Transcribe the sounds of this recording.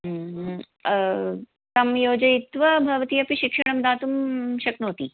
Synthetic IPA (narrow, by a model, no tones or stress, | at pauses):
t̪ɐmjoːd͡ʑɐit̪ʋɐbʱɐʋt̪iːɐpiɕikʂɐɳɐmd̪aːt̪umɕɐknot̪iː